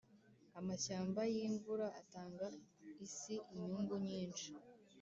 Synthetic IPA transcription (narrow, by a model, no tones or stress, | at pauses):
amaɕaːmbajiɱvuɾaːtaːŋɡaisiʔiɲuːŋɡuɲiːnt͡ʃi̥